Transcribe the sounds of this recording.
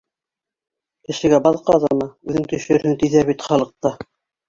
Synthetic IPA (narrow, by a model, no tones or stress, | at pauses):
kɘ̆ʃɘ̆ɡæbɑðqɑðɑmɑʉðɘŋt̪ɵ̆ʃɵɾhɘŋt̪iðæβit̪χɑlˠɤ̆q̚t̪ɑ